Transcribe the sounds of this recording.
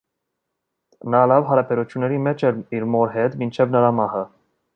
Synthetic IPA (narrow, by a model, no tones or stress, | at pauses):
nɑlɑvɦɑɾɑpʰɛɾut͡ʃʰjunːɛɾimɛt͡ʃʰɛɾiɾmɔɾɦɛt̪mint͡ʃʰɛvnəɾɑmɑhə